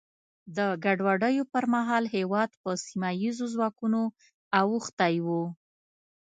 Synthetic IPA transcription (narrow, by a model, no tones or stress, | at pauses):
d̪əɡaɖwaɖəjopəɾmaɦɑlɦewɑd̪pəsimajizozwɑkuno | awuxt̪ajwu